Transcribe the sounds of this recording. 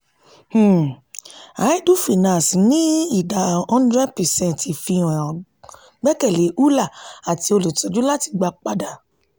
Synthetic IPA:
h̩˨ | a˨˦i˦du˦fi˨nã˨snĩ˦i˦˨da˨ɔ̃˦n˦dɾɛ˦dpɛ˨sɛ̃˦˨nti˨fĩ˧˨ã˨ɔ̃˨ | ɡ͡bɛ˦kɛ˦˨le˨˦ʔu˦la˦˨a˨ti˧o˧lo˨tɔ˨d͡ʒu˦la˦ti̥˧ɡ͡ba˧k͡pa˧da˨

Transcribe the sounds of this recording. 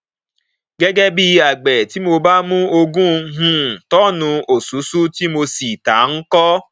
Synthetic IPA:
ɡe˦ɡe˦bi˧a˨ɡ͡bɛ˨ti˦mo˧ba˦mũ˦o˧ɡũ˦ɦũ˦˨tɔ˦nʊ̃˧o˨su˨˦su˦ti˦mo˧si˨ta˨˦ŋ̩˦kɔ˦

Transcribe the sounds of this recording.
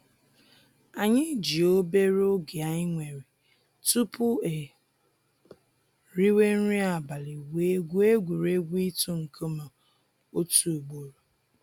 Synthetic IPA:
a˨ɲɪ˦d͡ʒi˨o˦be˦ɾo˦ɡi˨a˨ɲɪ˦ŋʷe˨ɾe˨ | tu˦pʊ˦e˨ | ɾi˦we˦n̩˦ɾi˦a˨ba˨lɪ˨we˦ɡʷu˦e˦ɡʷu˨ɾe˦ɡʷi˦tu˦ŋ̩˨kʰo˦ma˨ | o˦tu˦˨u˨ɡ͡bo˨ɾo˨

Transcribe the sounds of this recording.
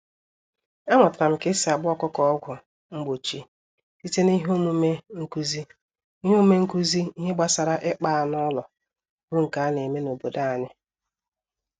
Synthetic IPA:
a˦mɔ˨ta˨m̩˨ke˦si˨a˨bʊ˦ɔ˦kɔ˦kɔ˨ɔ˦ɡʷʊ˨ | ŋ͡m̩˦ɡ͡bo˨t͡ʃi˦ | ti˦te˦ni˦ɦo˦mu˦me˦ŋ̩˦ku˦zi˦ | i˦ɦo˦me˦ŋ̩˦ku˦zi˦i˦ɦe˦ɡ͡ba˦sa˨ɾa˦ʔɪ˦k͡pa˦˨a˨n˦ɔ˦lɔ˨ | bʊ˦ŋ̩˨ka˨˦a˦ne˨me˦no˨bo˨da˦a˨ɲɪ˦

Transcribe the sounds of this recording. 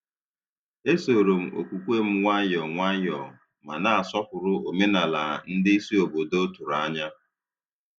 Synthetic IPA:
e˦so˨ɾo˨m̩˨ʔo̰˨kʷu˨kʷe˦m̩˦ŋʷa˦ɲɔ˨ŋʷa˦ɲɔ˨ | ma˨na˦˨a˨sɔ˦kʊ˨ɾʊ˦o˨me˦na˨la˨n̩˦dɪ˦i˦si˦o˨bo˨do˦o˦tu˨ɾa˦ɲa˦

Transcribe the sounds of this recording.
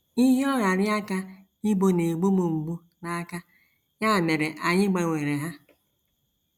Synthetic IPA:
i˦ɦi˦ɔ˦ɾa˨ɾɪ˦a˦ka˦ | i˦bo˦ne˨ɡ͡bo˦mo˨ŋ͡m̩˨ɡ͡bu˦ | na˦ka˦ | ɲa˦˨me˨ɾe˨ʔa˨ɲɪ˦ɡ͡ba˨ŋʷe˨ɾe˨ɦa˦

